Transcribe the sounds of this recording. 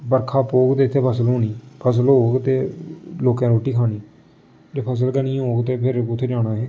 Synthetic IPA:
bəɾkʰaːpoːɡt̪eːɪt̪ʰːeːpʰəsəlɦoːniːpʰəs̬əlɦoːɡt̪eːloːkãːɾoːʈiːkʰaːniː | d͡ʒeːpʰəs̬əlkənĩːɦoːɡt̪eːpʰɪɾʊt̪ʰːeːd͡ʒaːɽaːɦeː

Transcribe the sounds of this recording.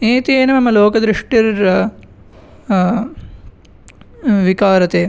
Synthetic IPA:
eːt̪ieːnɐmɐmɐloːkɐd̪ɾɪʂʈiɾɐ | ʋikaːɾɐt̪eː

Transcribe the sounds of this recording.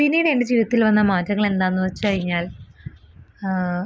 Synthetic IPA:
pinːiːɽeeɳded͡ʑiːʋiðɐt̪ːilʋɐnːɐmaːtːɐŋːɐɭe̞nd̪aːnːɨʋɐt͡ɕːɨkɐɻiɲːaːl

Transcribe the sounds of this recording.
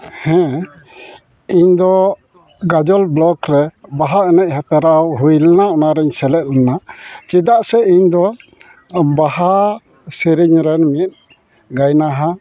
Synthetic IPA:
hɛ̃ | iɲd̪ɔ | ɡad͡ʒɔlblɔkɾɛbaɦaʔɛnɛʔ̚hɛpɛɾawɦujlɛnaɔnaɾɛɲsɛlɛt̪̚lɛnat͡ʃid̪aʔsɛiɲd̪ɔ | baɦa | siɾiɲɾɛnmit̪̚ˀ | ɡajnaɦa

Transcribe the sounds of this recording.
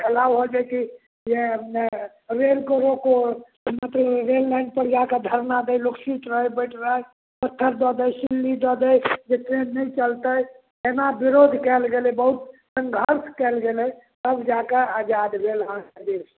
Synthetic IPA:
kʰəlabɦod͡ʒajki | jen | ɾelkoɾoko | mət̪ləbɾelːajnɖ̚pəɾd͡ʒaked̪ʱəɾnad̪ɛjloksiʈɾəɦebəjʈʰɾəɦəj | pət̪ʰːəɾd̪ɔd̪əjsilːid̪ɔd̪əjd͡ʒeʈɾenːəjt͡ʃəlt̪əj | enabiɾod̪ʱkɛlɡelɛbəɦut̪̚sə̃ŋɡʱəɾt̪ʰkɛlɡelɛj | t̪əbd͡ʒakead͡ʒad̪bʱelɦãkəd̪iɾs

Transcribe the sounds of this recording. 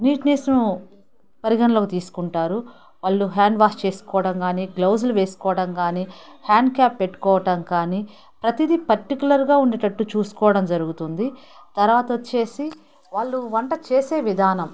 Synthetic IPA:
niːʈneːsnu | pɐɾiɡɐnɐloːkit̪iːsu̥kuɳʈaːɾu | ʋaːɭːuɦaːɳɖʋaːst͡ʃe̞ːsu̥kɔːʋɐɽɐmkaːniːklɐws̬luʋeːsu̥kɔːʋɐɽɐmkaːniːhaːɳɖ̚kaːpːeʈːu̥kɔːʋɐʈɐmkaːniː | pɾɐt̪id̪ipɐɾʈikjulɐɾɡaːuɳɖɐʈɐʈːut͡ʃuːsu̥kɔːʋɐɽɐmd͡ʒɐɾuɡut̪und̪i | t̪ɐɾʋaːt̪ɐt͡ʃe̞ːsi | ʋaːɭːuʋɐɳʈɐt͡ʃe̞ːseːʋid̪ʱaːnɐm

